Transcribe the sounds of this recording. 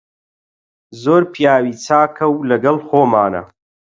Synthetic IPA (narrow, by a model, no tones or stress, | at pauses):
zoːɾpʰijaːwiːt͡sʰaːkʰɐwlɐɡɐlxoːmaːnɐ̰